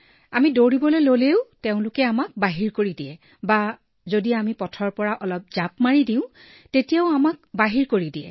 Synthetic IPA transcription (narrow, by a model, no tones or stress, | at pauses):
amidoɹibɔlojloleʊteʊ̃lʊkɛamak̚baɦiɹkoɹidijɛ | ba | zodiamipɔtʰɔɹpɔɹaʔɔlɔp̚zapmaɹidĩʊ̃ | tetijaʊamak̚baɦiɹkoɹidiɛ̰